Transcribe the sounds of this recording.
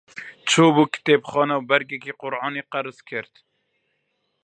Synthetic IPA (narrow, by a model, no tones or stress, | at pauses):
t͡ʃʰoːbuːkɪ̥t̪eːbxɑːnɛwbɛɾɡɛkiːqʊɾʔɑːniːqæɾɨzkʰɨɾt̪